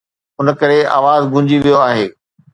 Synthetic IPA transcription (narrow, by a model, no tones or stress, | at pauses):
ʊnkɐɾea̰ːʋaːzɡʱʊ̃ɲd͡ʑiʋijoaːɦeː